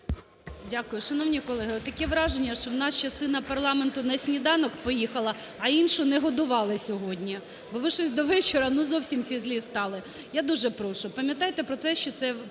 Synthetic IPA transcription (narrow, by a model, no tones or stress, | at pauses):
dʲakʊjʊʃɐnɔwnʲikɔlˠɛɦɪɔt̪t̪ːɐkɛʋɾɑʒenʲːɐʃt͡ʃɔwnɑst͡ʃɐst̪ɪnɐpɐrlˠɑment̪ʊnɐsʲnʲid̪ɑnɔkpɔjixɐlˠɐː | inʃʊnɛɦɔd̪ʊʋɑlˠɪsʲɔɦɔdʲnʲi | bɔʋɪʃɔsʲd̪ɔʋɛt͡ʃeɾɐnʊzɔwsʲimsʲizʲlʲist̪ɑlˠɪ | jad̪uʒɛpɾɔʃʊpɐmʲjɐt̪ɑjt̪ɛpɾɔt̪ɛʃt͡ʃɔt̪sɛ